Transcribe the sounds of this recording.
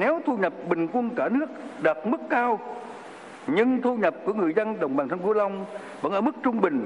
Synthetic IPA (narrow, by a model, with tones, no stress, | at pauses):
nɛ˨˦wt̪ʰu˧ɲə˨˩p̚ɓï˨˩ŋ̟kwə˧nkaː˧˩nɨ˦˥ək̚ɗəː˨˩t̚mɨ˦˥kːaː˧w | ɲɨ˧ŋt̪ʰu˧ɲə˨˩p̚ku˧˩əŋɨ˨˩əjzə˧nɗə˨˩wŋ͡mɓaː˨˩nt̪ʰa˧ŋku˧˦la˧wŋ͡m | və̰˧˥nʔəː˧˩mɨ˦˥k̚t͡ɕʊ˧ŋ͡mɓï˨˩ŋ̟